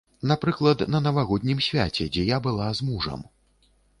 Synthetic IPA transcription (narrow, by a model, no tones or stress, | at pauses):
napɾɨklˠɐt̪nɐnɐvaɣɔd̪ʲnʲimsʲvʲa̰t͡sʲɛ̰d͡zʲɛjabɨlˠazmuʐɐ̰m